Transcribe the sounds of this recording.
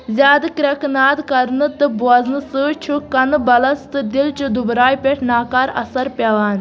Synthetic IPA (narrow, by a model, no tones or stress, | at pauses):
zʲjaːd̪ɨkɾʲɐknaːd̪kɐɾnɨt̪ɨbuɐznɨsɨt͡ʃʰukɐnɨbɐlɐst̪ɨd̪ilt͡ʃud̪ubɾaːjpʲeʈʰnaːkaːɾɐ̰sɐɾpʲɐʋaːn